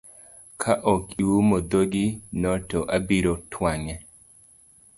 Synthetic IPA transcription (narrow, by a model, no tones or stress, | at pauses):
kʰaʔɔkʼuumɔd̪oɡinɔtɔʔabiɾotʰwaŋɛ